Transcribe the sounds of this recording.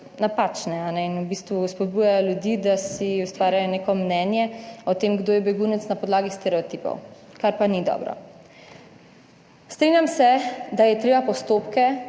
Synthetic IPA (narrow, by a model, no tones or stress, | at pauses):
napat͡ʃnɛanɛinubist̪ʋuspɔd̪̚bujajɔljud̪iːd̪asiust̪ʋaːɾjajɔneːkɔmnɛnjɛɔt̪emɡd̪oːjɛbɛɡuːnɛt̪snapɔd̪laːɡist̪ɛɾɛɔt̪iːpɔ̰w | kaɾpanid̪ɔ̰bɾɔ̰ | st̪ɾinjamsɛd̪ajɛt̪ɾeːbapɔst̪opkɛ